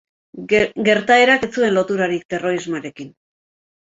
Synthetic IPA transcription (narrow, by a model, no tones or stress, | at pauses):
ɡe̞ɾt̪ae̞ɾaket͡sue̞nlo̞t̪uɾaɾikt̪e̞ro̞ɾizmoaɾe̞kin